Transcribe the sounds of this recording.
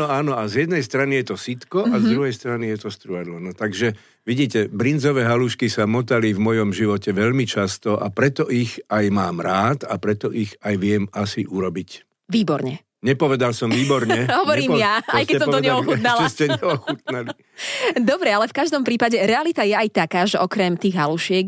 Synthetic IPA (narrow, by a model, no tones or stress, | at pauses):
ɔaːnɔazjɛd̪nɛjst̪ɾanijɛt̪ɔsit̪kɔazd̪ɾuɦɛjst̪ɾanijɛt̪ɔst̪ɾuad̪lɔnɔt̪aɡʒɛ | ʋiɟiːcɛbɾinzɔʋɛːɦaluːʃkisamɔt̪alivmɔjɔmʒiʋɔcɛʋɛʎmit͡ʃast̪ɔʔapɾɛt̪ɔʔixajmaːmɾaːt̪apɾɛt̪ɔʔiɣajʋɪɛmasiʔuɾɔbic | ʋiːbɔɾɲɛ | ɲɛpɔʋɛd̪alsɔmʋiːbɔɾɲɛɦɔʋɔɾiːmjaajskɛɛsɔmɔd̪ɔɲɛɔxunalʒɛscɛɲɛɔxut̪̚nali | d̪ɔbɾɛalɛfkaʒd̪ɔmpɾiːpaɟɛɾɛalit̪ajɛajt̪akaːʒɛʔɔkɾɛmt̪iːɣɦaluʃɪɛk